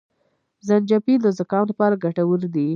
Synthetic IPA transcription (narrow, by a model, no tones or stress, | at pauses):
zand͡ʒapiləzakɑnlapɑɾaɡaʈawəɾd̪i